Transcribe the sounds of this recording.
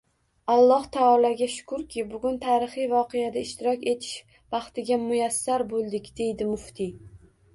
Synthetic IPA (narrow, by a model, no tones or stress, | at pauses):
ɑlˠːɒht̪ʰaːlˠaɡʲaʃʊ̥kʰʊɾkʲʰɪbʊɡʲʊnt̪ʰaːɾɪχɨjvɒqʰejad̪aɪʃt̪ɪɾɒkʲe̞t̪ʰɪ̥ʃ | vɑχt̪ɪɡʲamʊjasːaɾbolˠd̪ɪkʲd̪e̞jd̪ɪmʊft̪ʰɪ